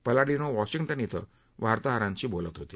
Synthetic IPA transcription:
pəlaɽinowɔʃiŋʈənit̪ɔ̰ | bʱaɾt̪ɔɦaɾãnt͡ʃibolət̪ɦot̪i

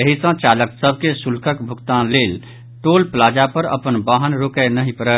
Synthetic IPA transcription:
əɦisə̃t͡ʃaləksəbʱkesulkəkbʱukt̪anlel | ʈolplad͡ʒapəɾə̰pənbaɦənɾokənəɦipəɾə

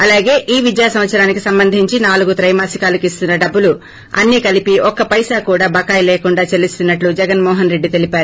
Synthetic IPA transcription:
ɐlaːɡeːʔiːʋid̪jaːsɐmʋɐt̪sɐɾaːnikisɐmbɐnd̪ʱiɲt͡ʃinaːluɡut̪ɾɐjmaːsikaːlɐkist̪unːɐɖɐbːulu | ɐ̰nːikɐlipiʔɔkɐpɐjsaːkuːɽaːbɐkaːjlɛːkuɳɖaːt͡ʃelist̪unːɐʈlud͡ʒɛɡɐnmɔːɦɐnɾe̞ɖːit̪e̞lipaːɾu

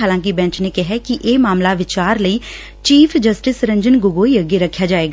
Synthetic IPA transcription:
aːlãːk̬ibɛ̃ːɲt͡ʃnekɛɦɛkiʔeːmaːmlaʋɪt͡ʃaːɾləiː | t͡ʃiːpʰd͡ʒəsʈɪsɾə̃ɲd͡ʒənɡʊɡoːiəɡeɾəkʰːjaːd͡ʒaːeːɡa

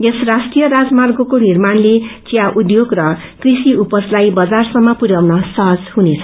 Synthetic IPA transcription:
esrasʈrijʌɾad͡zmarɡokonirmanlet͡sijaʔud̪joɡrʌ | krisiupʌslajbʌd͡zarsʌmːʌpuɾjawnʌsʌɦʌd͡zhɦunet͡sʰʌ̥

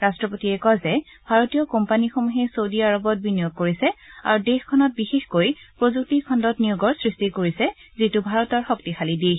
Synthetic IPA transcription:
ɹastɹɔpotiɛkɔzɛ | bʱaɹotijɔkɔmpanixɔmuɦɛsowdiaɹɔbɔt̚binijoɡ̚koɹisɛa̰ɹudexkʰɔnɔt̚bixexkojpɹozuk̚tikʰɔndɔtnijuɡɔɹsɹistikoɹisɛ | zitubʱaɹɔtɔɹxɔktixʰalidi

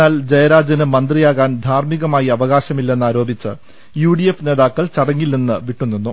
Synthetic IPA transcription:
aːld͡ʑɐjɐɾaːd͡ʑɐnɨmɐnd̪rijaːɣaːnd̪ʱaːrmiɣɐmaːjiɐʋɐɣaːɕɐmilːe̞nːaːɾo̞ːbit͡ɕːɨ̰ | juːɖijefne̞ːðaːkːɐɭt͡ɕɐɽɐŋːilninːɨʋiʈːunːinːu

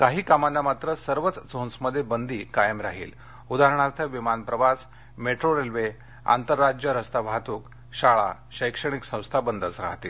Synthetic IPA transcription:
kaɦiːkamanːamat̪ɾəsəɾʋət͡sd͡zʱonsməd̪ʱːjebənd̪ʱiːkajəmɾaɦḭːl | ud̪aɾəɳ̃aɾt̪ʰəʋimanpɾəʋas | meʈɾoɾelʋe | a̰nt̪əɾːad͡ʑjəɾəst̪abʱat̪uːk | ɕaɭa̰ | ɕəjkʂəɽ̃iksə̃w̃st̪ʰabənd̪ət͡sɾa̰ɦt̪iːl

